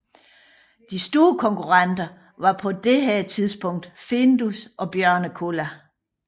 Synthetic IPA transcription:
d̥isd̥o̝ːɐkʰɒ̽ŋkʰuʁɑ̈nd̥ɐ | ʋɑ̈pʰɒ̽d̥e̝ɦæɐt͡sʰiðˠsb̥ɔ̽ŋ̰d̥fe̝nd̥usʔɒ̽b̥jɶɐ̰nəkʰo̝læ

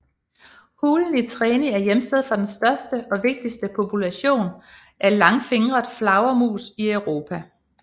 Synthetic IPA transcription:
huːln̩it͡sʰʁɛːniæɐjemt͡sʰeð̩̰ˠfɒd̥ensd̥ɶɐsd̥əʔɒ̽ʋe̝ɡ̥̚d̥isd̥əpʰo̝pʰulæɕo̝̰ːn | ʔæɐlɑ̈ŋfe̝ŋʁɐðˠflɑ̈ʊɐmṵːsiœʊʁo̝ːpʰæ

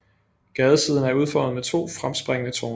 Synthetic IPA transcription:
ɡ̥ɛːð̞ˠəsið̞ˠn̩æɐuð̞ˠfɒ̰ð̩ˠmet͡sʰo̝̰ːfʁamsb̥ʁeŋənət͡sʰɔːn

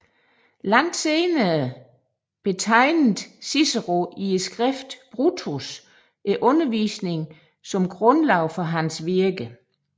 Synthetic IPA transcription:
lɑŋ̰d̥seːnɐ | b̥e̝t͡sʰɑ̈ɪn̩sisɐʁo̝ʔie̥sɡ̥ʁɛfd̥b̥ʁut͡sʰos | ʔæʔɔ̽nɐʋḭːsne̝ŋ | sɒ̽mɡ̥ʁɔ̽nlɑʊ̰fɒ̽ɦænsʋiɐɡ̥ə

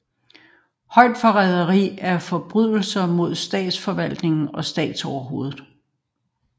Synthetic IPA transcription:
hɒ̽ɪd̥fɒ̽ʁɛðˠɐʁḭːæɐfɒ̽b̥ʁyð̰ˠl̩sɐmo̝ð̞̰ˠsd̥ɛ̰ːd̥sfɒ̽ʋæl̰d̥ne̝ŋn̩ɒ̽sd̥ɛ̰ːd̥sɒʊɐɦo̝ːðˠð̩ˠ

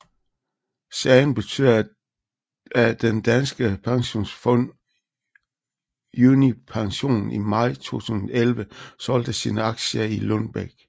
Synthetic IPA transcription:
sɛɪn̩b̥e̝t͡sʰy̰ːð̰ˠɐ | æd̥end̥ænsɡ̥əpʰɑ̈ŋɕo̝̰ːnsfɔ̽n̰ | juːnipʰɑ̈ŋɕo̝̰ːnn̩ḭmɑ̈ɪ̰t͡sʰo̝̰ːt͡sʰuːsn̩ˠɐelʋəsɒ̽l̰d̥əsiːnəɑ̈ɡ̥ɕilɔnb̥æɡ̥

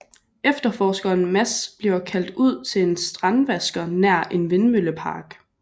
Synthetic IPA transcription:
efd̥ɐfɒːsɡ̥ɐːnmæsb̥liɐkʰæl̰d̥uð̞̰ˠt͡sʰe̝ensd̥ʁɑnʋæsɡ̥ɐnæɐ̰ʔe̝nʋe̝nmøləpʰɑ̈ːɡ̥

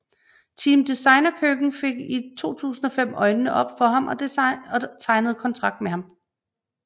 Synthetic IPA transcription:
t͡sʰimd̥isɑ̈ɪnɐkʰøɡ̥n̩fe̝ɡ̥it͡sʰo̝̰ːt͡sʰṵːsn̩ɒ̽fem̰ɒ̽ɪnnəʔɒ̽b̥fɒ̽ɦɑ̈mʔɒ̽ | t͡sʰɑ̈ɪnəð̞̩ˠkʰɒ̽nt͡sʰʁɑ̈ɡ̥̚d̥meɦɑ̈m

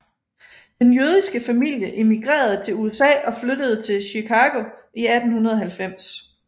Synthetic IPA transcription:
d̥enjøð̞ˠisɡ̥əfæmil̰jəʔe̝miɡ̥ʁḛːɐð̞ˠt͡sʰe̝luesɛ̰ːɒ̽fløɾ̥əð̞̩ˠt͡sʰe̝lɕikʰɑ̈ːɡ̥o̝ | iæd̥n̩hunɐð̞ˠɒɦælfem̰s

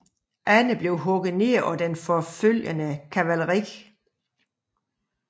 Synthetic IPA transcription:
ʔænəb̥le̝ʊɦɔ̽ɡ̥ð̩ˠne̝ːɐ̰ʔɒd̥enfɒføl̰jənəkʰæʋæləʁi̥

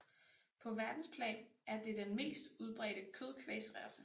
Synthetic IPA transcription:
pʰɒ̽ʋæɐd̥n̩spʰlɛ̰ːnʔæɐd̥e̝d̥enme̝̰ːsd̥uðˠb̥ʁɛ̰ːɾ̥əkʰøð̞ˠkʰʋḛsʁæɐsə

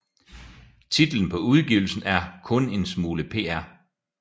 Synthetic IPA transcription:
t͡sʰid̥l̩n̩pʰɒ̽uð̞ˠɡ̥iʊl̩sn̩æɐkʰɔ̽ne̝nsmuːləpʰe̝̰ːæɐ̰

